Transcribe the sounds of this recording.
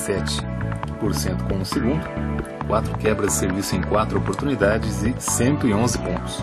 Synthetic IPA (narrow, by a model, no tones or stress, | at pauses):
sɛt͡ʃɪ̥poɾsẽnt̪ʊ̥kõũseɡũnd̪ʊkwat̪ɾʊkɛbɾɐzd͡ʒɪseɾvisʊẽj̃kwat̪ɾʊopoɾt̪unid̪ad͡ʒɪzɪsẽnt̪ʊɪõzɪpõnt̪ʊ̥s